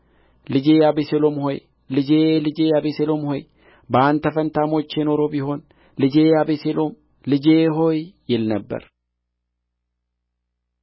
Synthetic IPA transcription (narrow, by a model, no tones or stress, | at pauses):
lɪd͡ʒeːɐbɪsɛlɔmhɔj | lɪd͡ʒeːlɪd͡ʒeːɐbɪsɛlɔmhɔj | baːnt̪ɐfɐnt̪aːmot͡ʃːeːnɔɾobɪhon | lɪd͡ʒeːɐbɪselom | lɪd͡ʒeːɦojːɛlnɐbːɐ̰ɾ